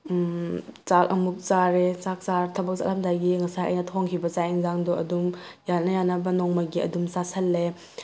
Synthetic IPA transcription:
t͡ʃak̚ɐmuk̚t͡ʃaɾet͡ʃak̚saɾt̪ʰɐbɐk̚sa̰lhɐmdajɡiŋɐsajʔa̰jnɐtʰɔŋkʰibɐt͡ʃaiŋzaŋdɔʔɐdumjanɐjanɐbɐnɔŋmajɡiɐ̰dumsasʰɐlːe

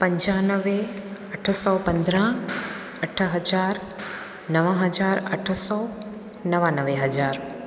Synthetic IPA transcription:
pɐɲd͡ʒaːnəʋeɐʈʰəsɔwpɐnd̪ɾãː | ɐʈʰɦɐd͡ʒaːɾ | nɐʋãɦɐd͡ʒaːɾɐʈʰəsɔː | nɐʋaːnəʋeɦɐd͡ʒaːɾ

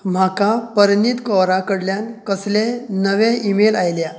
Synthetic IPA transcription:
m̤akapəɾnit̪kɔɾakəɽljankəslenəʋeimelajlja

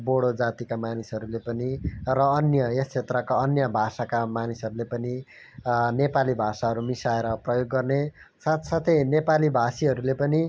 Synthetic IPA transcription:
boɽod͡zat̪ikamanisɦʌɾulepʌnirʌːnjʌest͡sʰet̪rʌkaʌnjʌbʱasakamanisʌɾulepʌni | nepalibʱasaɦʌɾumisaeɾʌprʌjoɡːʌrnesat̪sat̪ʰʌjnepalibʱasiɦʌɾulepʌni

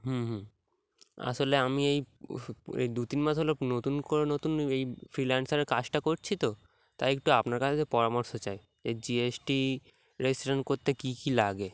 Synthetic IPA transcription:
ɦũɦũ | a̰ʃoleamiej | ḛd̪ut̪inmad͡ʑʱɦolonot̪unkoɾenot̪unejfɾilansaɾeɾkad͡ʑʈakoɾt͡ɕʰit̪o | t̪a̰ek̚ʈuapnaɾkat͡ɕʰeepɔɾamoɾʃot͡ɕaj | d͡ʑed͡ʑiesʈi | ɾesʈoɾeɳʈkoɾt̪ekikilaɡe

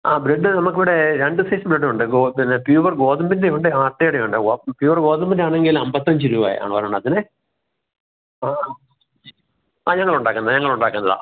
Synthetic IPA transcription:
aːbɾeɖːɨnɐmukːiʋiɽeɾeɳɖɨseːsɐmbɾeɖːɨuɳɖɨɡopinːepjuːʋɐrɡo̞ːðɐmbindeuɳɖɨaːrʈːejɽeʋeɳɖɨɡopjuːʋɐrɡo̞ːðɐmbindaːɳeŋɡilɐmbɐt̪ːɐɲd͡ʑɨɾuːbaːj̰a̰ːɳɨpɐɾɐːuɳːɖɐðinɨ | aː | aːɲɐŋːɐɭuɳɖaːkːunːɐðɨɲɐŋːɐɭuɳɖaːkːunːɐða̰

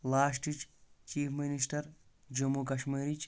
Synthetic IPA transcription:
laːs̬ʈit͡ʃt͡ʃiːpʰminisʈɐɾ | d͡ʒɐmukɐʃmiːɾit͡ʃ

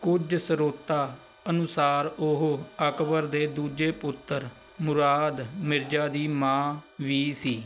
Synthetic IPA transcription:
kʊd͡ʒsəɾoːt̪aː | ənʊsaːɾʊɦəkbəɾd̪eːd̪uːd͡ʒeːpʊt̪ːəɾ | mʊɾaːd̪mɪɾd͡ʒaːd̪iːmãːʋiːsiː

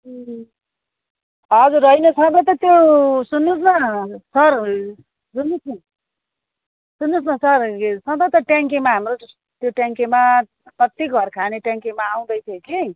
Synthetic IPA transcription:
ʌd͡zurʌinʌt͡sʰʌ̃t̪ʌt̪ʌt̪josunːusnasʌr | sunːusa | sunːusnasʌrsʌ̃t̪ʌt̪ʌʈjaŋkemaɦamro | t̪joʈjaŋkema | kʌt̪iɡʱʌrkʰaneʈjãŋkemaːw̃d̪ʌjt͡sʰʌki

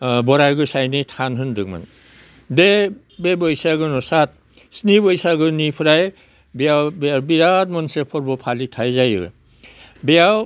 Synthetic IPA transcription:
bɔɾajɡɯsajnɯtʰanɦɯndɯk̚ma̰n | de | bebɔjsaɡɯnɔsat̚ | snibɔjsaɡɯnipʰɯɾaj | biawbbiɾadmɔnsepʰɔɾbɔpʰalitʰajzajɯ̰ɾ̰ | beaw

